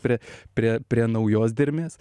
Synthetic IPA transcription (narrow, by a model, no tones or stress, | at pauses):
pʲɾʲiɛpʲɾʲiɛpʲɾʲiɛnɐʊjoːs̬d̪ʲɪɾʲmʲeːs